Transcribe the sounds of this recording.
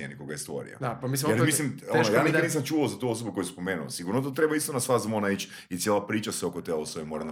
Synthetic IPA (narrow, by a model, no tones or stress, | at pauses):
enikoɡajest̪o̰ɾḭa̰apamisjeɾmislimonojaːniniːs̬amt͡ʃuːʋaozat̪uos̬obuko̞juspomeːnuo̰siɡuɾnot̪ot̪ɾe̞baist̪onasʋazamonait͡ʃ | it̪sjeːlˠapɾiːt͡ʃaseokot̪elosoimoɾan